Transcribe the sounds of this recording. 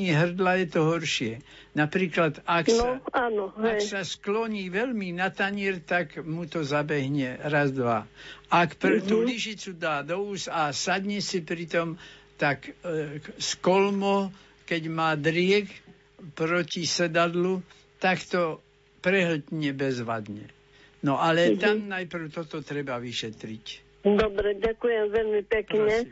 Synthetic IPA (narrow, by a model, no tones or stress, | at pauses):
iːɦr̩d̪lajɛt̪ɔɦɔɾʃɪɛ | napɾiːklad̪aksaaːnɔɦasasklɔɲiːʋɛlminat̪aɲɪɛɾt̪akmut̪ɔzabɛɦɲɛɾazd̪ʋaakpɾɛt̪uliʒit͡sud̪aːd̪ɔusasad̪ɲɛsipɾit̪ɔmt̪ak | skɔlmɔ | kɛɟmaːd̪ɾɪɛk | pɾɔcisɛd̪ad̪lu | t̪akt̪ɔ | pɾɛɦl̩t̪ɲɛbɛzʋa̰d̪ɲɛ | nɔʔalɛt̪amnajpr̩ʊt̪ɔt̪ɔt̪ɾɛbaʋiʃɛt̪ɾic | d̪ɔbɾɛɟakujɛmʋɛlmipɛkɲɛ